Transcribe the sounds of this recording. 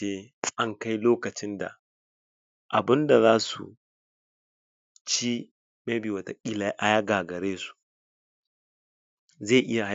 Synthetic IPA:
eː˦ɐ˦ŋka˦jloː˦kɐ˨t͡ʃɪ˦nda̰˨ | ʔa˨bɪ˦nda˨zaː˦sṵ˨ | t͡ʃi˦ | me˦bi˨wɐ˨ta˨kʲʼi˦la˨˦ʔa˦ja˦ɡaː˨ɡɐ˨ɾeː˦su̥˨ | ze˦˨ʔɪ˦ja˨h

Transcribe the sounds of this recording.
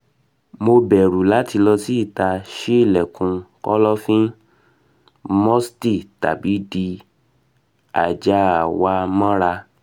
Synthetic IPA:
mo˧bɛ˨ɾu˨la˨˦ti˧lɔ˧si˦i˦˨ta˧ʃe˦i˦˨lɛ˨kũ˧kɔ˦lɔ˦fĩ˦ | mɔ̃˦sti˦˨ta̰˨bi˨˦di˧ | a̰˨d͡ʒa˨˦a˨wa˧mã˦ɾa˧

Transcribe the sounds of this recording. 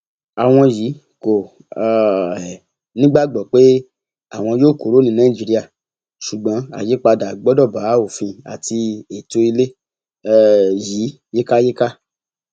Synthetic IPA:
a˨w̃ɔ̃˧ji˨˦ | ko˨ | nĩ˦ɡ͡ba˦˨ɡ͡bɔ˨k͡pe˦ | a˨w̃ɔ̃˧joː˦˨ko˨ɾo˦nĩ˧nã˦ĩ˦˨d͡ʒi˨˧ɾi˦a˦˨ | ʃu˨ɡ͡bɔ̃˨˦a̰˨je˨˦k͡pa˧da˨ɡ͡bɔ˨˦dɔ˦˨ba˨˦o˨fĩ˧a̰˨tʰi˧e˨to˧i˧le˦˨ | ji˨˦ | je˦ka˦je˦ka˦

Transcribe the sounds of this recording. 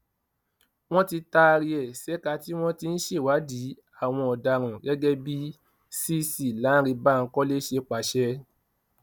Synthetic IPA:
w̃ɔ̃˦ti˧ta˧ɾi˧ɛ˨sɛ˨˦ka˧˦ti˦w̃ɔ̃˦ti˧n̩˦ʃe˦˨wa˨˦di˨˦ | a˦˨w̃ɔ̃˧ɔ˨da˨ɾ̃ã˨ɡɛ˦ɡɛ˦bi˦ | si˦si˦˨la˨˦ɾi˧ba˦˨ŋ̩˦kɔ˦le˦ʃe˧k͡pa˨˦ʃɛ˧

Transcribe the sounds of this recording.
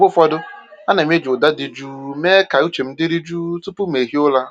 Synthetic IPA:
bʊ˦fɔ˦dʊ˦a˦na˨m˦e˦d͡ʒʊ˨da˦dɪ˨d͡ʒuː˦me˦ka˨u˦t͡ʃe˨m̩˦dɪ˦ɾi˦d͡ʒu˦tʊ˦pʊ˦m˨e˨ɦi˦ʊ˦la˦

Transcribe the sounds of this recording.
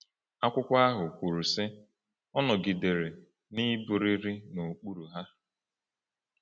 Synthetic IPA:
a˦kʷʊ˦kʷa˦a˦ɦʊ˨kʷu˨ɾu˨sɪ˦ | ɔ˦nɔ˨ɡi˨de˨ɾe˨ | ni˦bu˨ɾi˦ɾi˦no˨k͡pu˦ɾu˨ɦa˦

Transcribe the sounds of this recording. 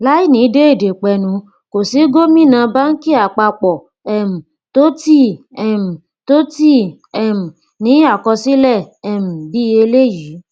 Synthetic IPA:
la˦i˦˨nĩ˨˦de˦e˦˨de˨k͡pɛ˧˨nũ˨˦ | ko˨si˨˦ɡo˦mĩ˦˨nã˧ba˦n̩˦ki˦a˨k͡pa˧k͡pɔ˨ | ɛ˦˨m̩̃˨ | to˦ti˦ | ɛ˨m̩̃˨ | to˦ti˦˨ | ɛ˨m̩̃˨ | nĩ˨˦a˦˨kɔ˧si˦lɛ˦˨ɛ˨m̩̃˨bi˨˦e˧le˦˨ji˨˦

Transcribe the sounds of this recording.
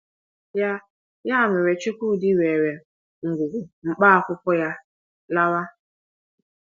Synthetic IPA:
ja˦ | ja˦a˨mɪ˨ɾe˨t͡ʃu˦kʷu˦˨di˦we˨ɾe˨ | ŋ̩˨ɡʷu˨ɡʊ˨ŋ͡m̩˨k͡pa˦a˨kʷʊ˦kʷɔ˦ja˦ | la˦ɾa˦

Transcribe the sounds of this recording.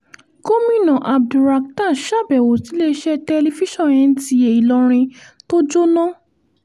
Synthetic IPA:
ko˦mĩ˦˨nã˨ʔa˨b̚du˨ɾa˧k̚ta˦˨ʃa˦˨bɛ˨wo˨ti˨˦le˧˦ʃɛ˦tɛ˧li˧fi˦ʃɔ̃˦˨j̃ɛ̃˧n̩˦ti˧˦e˨i˨lɔ̃˧ɾ̃ĩ˧to˦d͡ʒo˦nɔ̃˦

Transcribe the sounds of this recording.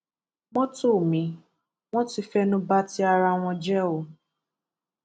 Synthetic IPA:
wɔ̃˦to˦˨mĩ˨˦ | w̃ɔ̃˦ti˦fɛ˦nũ˦ba˦ti˦a˧ɾa˧w̃ɔ̃˧d͡ʒɛ˦o˨

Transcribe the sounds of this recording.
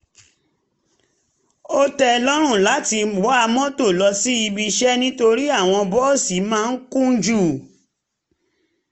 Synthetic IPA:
o˦tɛ˧lɔ˦ɾ̃ũ˦˨la˨˦ti˧ɡ͡bɔ˨˦a˧mɔ̃˦to˦˨lɔ˧si˦i˧bi˧ʃɛ˦nĩ˦to˧ɾi˦a˦˨w̃ɔ̃˧bɔ˦˨si˨˦mãː˦˧˦kũ˦n̩˦d͡ʒu˦˨

